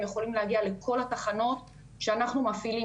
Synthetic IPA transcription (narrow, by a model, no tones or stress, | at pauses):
mjeχo̞limleaɡiale̞kʰo̞lataχano̞t̪ | ʃeanaχnumafili